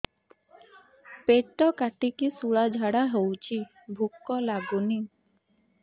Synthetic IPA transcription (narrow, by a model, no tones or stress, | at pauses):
peʈɔkaʈikisuɭad͡ʒʱaɽaɦowt͡ʃʰi | bʱukːɔlabuni